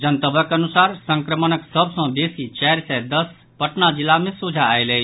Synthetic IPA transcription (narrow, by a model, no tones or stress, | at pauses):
d͡ʒənt̪əbʱəkənusaɾsəŋkɾəmənəksəbsə̃besit͡ʃɛɾsɛd̪əs | pəʈnad͡ʒilːamesud͡ʒʱaːjləj